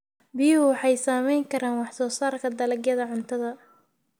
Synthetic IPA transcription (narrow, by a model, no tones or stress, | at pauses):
bɪʊwɑħɑjsaːmɛjŋkʰɐɾaːnwɑħsɔːsaːrkʰɐd̪ɐlɐɡjɐðɐʕʊnt̪ʰɐðɐ